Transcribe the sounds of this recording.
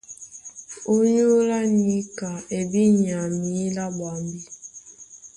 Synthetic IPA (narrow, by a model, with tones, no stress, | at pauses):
o˦ɲo˦la˦ni˦ka˨e˨bi˦ɲ˨a˨mi˨˦la˦bwa˨mbi˦